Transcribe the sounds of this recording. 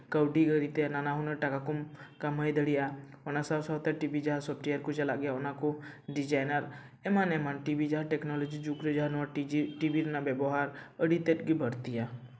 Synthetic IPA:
kəwɖiɡəɾit̪enanaɦunəɾʈakakʊmkaməjd̪əɽija | ɔnasasəɦt̪ɛʈibid͡ʒaɦasɔp̚ʰʈejəɾkot͡ʃɐlaʔɡɛjaonakoɖid͡ʒaːjnəɾ | ɛmanɛmanʈibid͡ʒaɦaʈɛknɔlɔd͡ʒid͡ʒukɾed͡ʒaɦanʋaʈibiɾnabɛbɔɦaɾəɽit̪eʈɡibʱəɽt̪ija

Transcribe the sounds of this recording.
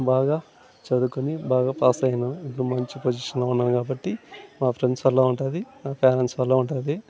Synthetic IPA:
baːɡaː | t͡ʃɐd̪ukunibaːɡaːpaːst̪ɐjɐnuipːɽumɐɲt͡ʃipod͡ʒiʂɐnloːunːaːnkaːbɐʈːimaːpʰɾeɳɖsʋɐlːaːuɳʈaːd̪imaːpaːɾensʋɐlːaːuɳʈad̪i

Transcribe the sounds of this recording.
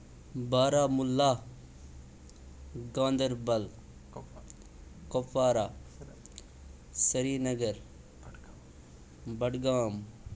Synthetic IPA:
baːɾaːmʊlːaː | ɡãːnd̪əɾbɐl | kofaːɾaː | sɐɾiːɾnɐɡəɾ | bɐɖɡaːm

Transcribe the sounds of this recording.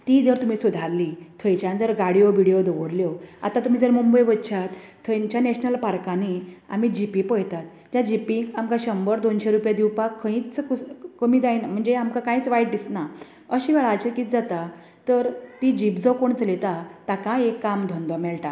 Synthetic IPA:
t̪id͡zəɾt̪um̤isud̪ʱaɾlit̪ʰəjt͡ɕjãnd͡zəɾɡaɽjoʋiɽijod̪ɔʋəɾljoa̰t̪ãt̪um̤iːd͡zəɾmumbəjʋət̪ːɕʰat̪ʰː | əjɲt͡ɕjanɛɕnəlpaɾkania̰m̤id͡ʑipipəjt̪at̪ | d͡ʑjad͡ʑipiŋɡamkãɕəmbəɾd̪onɕeɾupjad̪iwpakʰːə̃ĩt͡skkəmiːd͡zajnam̤əɳd͡zeamkakãĩt͡sʋaiʈ̚d̪isna | əɕiʋɛɭat͡ɕəkiːt͡s̪d͡zat̪a | t̪əɾt̪id͡ʑipd͡zɔkoɳt͡slet̪at̪akãekːamd̪ʱɔnd̪ɔmɛɭʈa

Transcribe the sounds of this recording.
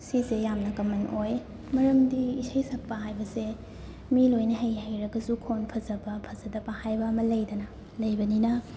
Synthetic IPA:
sizejamnɐkɐmːɐnʔoj | mɐɾɐmdiːsɐjsɐk̚pɐɦajbɐse | milojnɐɦejɦɐjɾɐɡɐzukʰonpʰɐzɐbɐpʰɐzɐdɐbɐhajbɐːmɐlɐjdɐnɐ | lɐjbɐninɐ

